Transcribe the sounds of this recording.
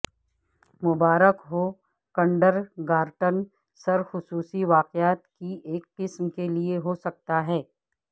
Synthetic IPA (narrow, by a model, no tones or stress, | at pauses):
mʊbaːɾəkɦoː | kɐ̃ɳɖəɾɡaːɾʈən | sɐɾxʊsuːsiʋaːqɪaːt̪kieːkːɪsmkelieɦosɐk̚t̪aɦɛː